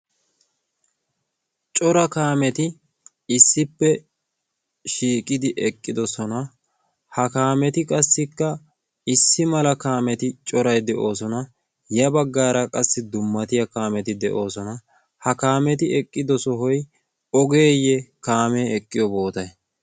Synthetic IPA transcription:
t͡ʃʼɔɾɐkaːmɛt̪ɪ | ɪsːɪpːɛ | ʃiːkʼɪd̪ɪʔɛkʼːɪd̪ɔsɔnɐ | hɐkaːmɛt̪ɪkʼɐsːɪkːɐ | ɪsːɪmɐlɐkaːmɛt̪ɪt͡ʃʼɔɾɐjd̪ɛʔo̞ːsɔnɐ | jɐbɐɡːaːɾɐkʼɐsːɪd̪ʊmːɐt̪ɪjɐkaːmɛt̪ɪd̪ɛʔo̞ːsɔnɐ | hɐkaːmɛt̪ɪɛkʼːɪd̪ɔsɔɦɔj | ɔɡe̞ːjɛkaːmeːɛkʼːɪjɔbo̞ːt̪ɐj

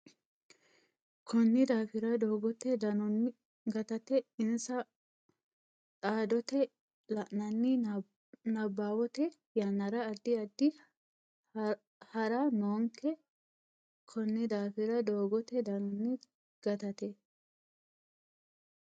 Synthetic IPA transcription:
kʰɔnːɪd̪aːfɪɾɐd̪oːɡɔt̪ːɛd̪ɐnɔnː | ɡɐt̪ɐt̪ɛɪnsɐ | t̪ʼaːd̪ɔt̪ɛ | lɐʔnɐnːɪ | nɐbːaːwɔt̪ɛ | jɐnːɐɾɐːd̪ːɪɐd̪ːɪ | hɐɾɐnoːŋkɛ | kʰɔnːɪd̪aːfɪɾɐd̪oːɡɔt̪ɛd̪ɐnɔnːɪ | ɡ̥ɐt̪ɐt̪ɛ

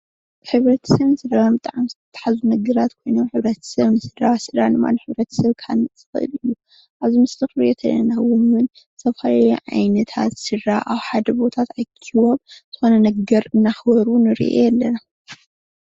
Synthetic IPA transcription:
ħɨβɾɐt̪ʰɐ̥sɐβnɨsɨdaambɨt̪ʼaʕamzɨt̪ʰɐt̪ʰḁħazunɐɡɐɾat̪kʰo̞jno̞mħɨβɾɐt̪ʰɐ̥sɐβnɨsɨd̪ɾasɨd̪anɨma̰nħɨβɾɐt̪ʰɐ̥sɐβkʰanɨɨ̥xɨʔɨ̰lɨjːu | ʔaβzimɨst̪ʰɨxɾjɛt̪ʰɐ̰lɐ̰nawʊmwɨn | sɐβhajʕa̰jnɐt̪ʰa̰t̪sɨɾaʔawħad̪ɐbo̞t̪ʰat̪ajkʰiwoβz̥ɨxo̞nɐnɐɡɐɾɨnːaxbɐɾunɨɾḭʔḛjɛlːɐna

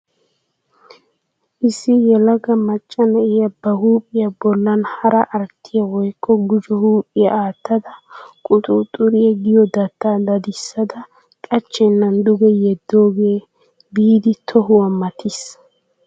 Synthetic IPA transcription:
ʔɪsːɪjɛlɐɡɐmɐt͡ʃʼːɐnɛʔɪjɐbɐhuːpʼːɪjɐbɔlːɐnhɐɾɐʔɐɾt̪ʰːɪjɐwɔjkʰʼːɔɡʊd͡ʒɔhuːpʼːɪjɐaːt̪ːɐd̪ɐkʼʊt̪ʼʊt̪ʼʊɾɪjɛɡɪjɔd̪ɐt̪ːaːd̪ɐd̪ɪsːɐd̪ɐ | kʼɐt͡ʃːɛnːɐnd̪ʊɡɛjɛd̪ːoːɡeː | biːd̪ɪt̪ʰɔɦʊwɐmːɐt̪ʰɪs

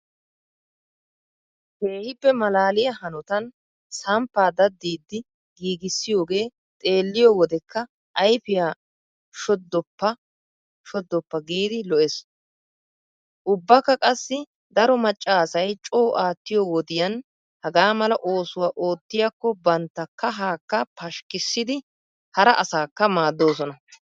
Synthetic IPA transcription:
heːhɪpːɛmɐlaːlɪjɐhɐnɔt̪ɐn | sɐmpːaːd̪ɐd̪ːiːd̪ːɪ | ɡiːɡɪsːɪjo̞ːɡe̞ː | t̪ʼe̞ːlːɪjɔwɔd̪ɛkːɐ | ʔɐjfɪjaː | ʃɔd̪ːɔpːɐ | ʃɔd̪ːɔpːɐɡiːd̪ɪlɔʔɛs | ʔʊbːɐkːɐkʼɐsːɪ | d̪ɐɾɔmɐt͡ʃʼːaːsɐjt͡ʃʼo̞ːʔaːt̪ːɪjoːwɔd̪ɪjɐn | hɐɡaːmɐlɐʔo̞ːsʊwaːʔo̞ːt̪ːɪjakːɔbɐnt̪ːɐkːɐɦaːkːɐpʰɐʃkɪsːɪd̪ɪ | hɐɾɐʔɐsaːkːɐmaːd̪ːo̞ːsɔnɐ

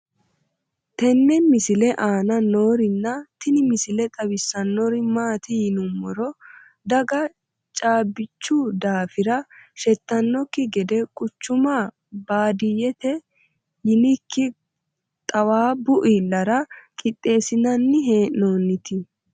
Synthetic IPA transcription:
t̪ɛnːɛmɪsɪlɛʔaːnɐno̞ːɾɪnːɐt̪ɪnɪmɪsɪlɛt̪ʼɐbɪsːɐnːɔɾɪmaːt̪ɪjɪnʊmːɔɾɔ | d̪ɐɡɐ | t͡ʃʼaːbːɪt͡ʃːud̪aːfɪɾɐʃɛt̪ːɐnːɔkːɪɡɛd̪ɛkʼʊt͡ʃːʊma | baːd̪ɪjɛt̪ɛ | jɪnɪkːɪ | t̪ʼɐwaːbʊʔilːɐɾɐkʼɪt̪ʼːe̞ːsɪnɐnːɪɦeːnoːnːɪt̪ɪ

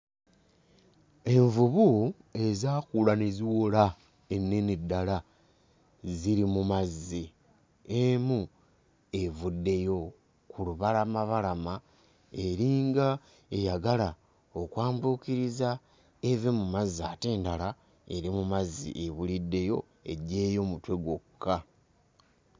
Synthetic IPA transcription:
e̞ɱvuβu | e̞zaːkulaneziwola | e̞nːenidːala | ziɾimumazi | emu | e̞vudːe̞jo̞ | kuluβalamaβalama | e̞ɾiːŋɡa | e̞jaɡala | okwaːmbuːkiɾiza | eve̞mumazaːte̞ːndala | e̞ɾimumazḭʔeβulidːe̞jo̞ | e̞̰ɟeːjo̞mutwe̞ɡokːa

